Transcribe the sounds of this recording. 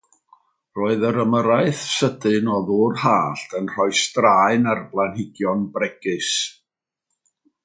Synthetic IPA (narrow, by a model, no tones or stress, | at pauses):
roːɨðəɾəməɾaɨθsədɨnɔðʊrhaːɬtʰənr̥ɔjstraːɨnarblˠanhɪɡjɔnbrɛɡ̥ɨs